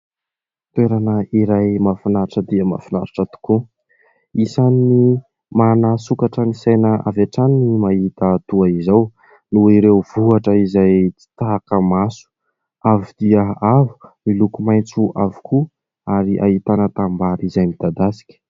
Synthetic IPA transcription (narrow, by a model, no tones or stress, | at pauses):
t̪ueɾanəiɾajmafinaɾaʈ͡ʂəd̪iəma̰finaɾaʈ͡ʂat̪u̥ku | isani | manasukaʈ͡ʂənisajnəavaʈ͡ʂaninimaɦit̪at̪uaizaw | nuiɾewvuaʈ͡ʂəizajt͡si̥t̪akəmasu̥ | avid̪̥iəavu̥milukumajnt͡suʔavu̥kʰu | aɾiʔa̰it̪anət̪ambaɾizajmid̪̥ad̪asi̥kʲə̥